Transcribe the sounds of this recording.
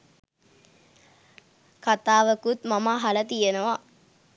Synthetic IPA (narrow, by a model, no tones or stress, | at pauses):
kat̪aːʋəkut̪mamaːɦalət̪ijenəʋa